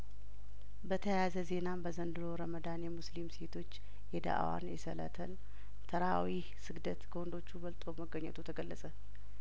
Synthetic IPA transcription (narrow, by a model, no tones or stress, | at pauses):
bət̪ʰəjjazəze̞nambəzənd̪ɨɾo̞ɾəməd̪anjɛmuslimse̞t̪ʰo̞t͡ʃː | jɛd̪a̰ʔa̰wa̰njɛsələ̰t̪ʰəl | t̪ʰəɾawi | sɨɡd̪ət̪kʰəwɔnd̪o̞t͡ʃːubəlt̪ʼo̞əməɡːəɲːə̰t̪ʰut̪ʰəɡəlːəsʼə